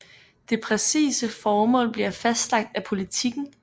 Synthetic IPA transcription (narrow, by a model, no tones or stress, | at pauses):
d̥e̝pʰʁɛsḭːsəfɒːmɔ̰̽ːlb̥liɐfæsd̥lɑ̈ɡ̥̚d̥æpʰo̝lit͡sʰiɡ̥n̩